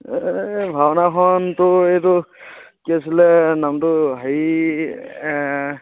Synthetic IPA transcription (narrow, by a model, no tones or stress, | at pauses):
bʱabɔnakʰɔntʊetʊkiasilɛnamtʊɦi